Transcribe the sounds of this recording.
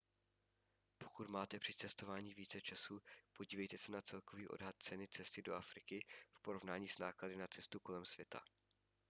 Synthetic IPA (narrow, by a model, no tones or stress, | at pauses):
po̞kut̪maːt̪ɛpr̝̥ɪt͡sɛst̪o̞vaːɲiːviːt͡sɛt͡ʃasuːpo̞ɟiːvɛjt̪ɛsɛnat͡sɛlko̞viːʔo̞̰dɦat̪̚t͡sɛnɪt͡sɛst̪ɪdo̞̰ʔafɾɪkɪfpo̞ɾo̞vnaːɲiːsnaːkladɪnat͡sɛst̪uko̞lɛmsvjɛt̪ʰa̰